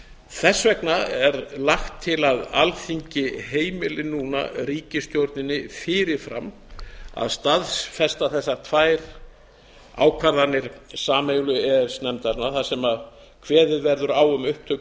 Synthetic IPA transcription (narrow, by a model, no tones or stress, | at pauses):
θɛsːvɛknaɛɾlaxt̪ʰːɪlaðalθiɲcɪɦeːjmɪlɪnːuːna̰ɾiːcɪst̪jowɾt̪nɪnːɪfɪːɾɪɾ̥fɾa̰m | a̰ðst̪aðsfɛst̪aθɛsːat̪ʰvaːjɾ | a̰ːwkʰvaɾðanːɪɾ̥saːmeɣlʏɛɾ̥snɛmt̪aɾnaθasɛmað | kʰvɛːðɪðvɛɾðʏɾaːwʏmʏhp̚t̪ʰœ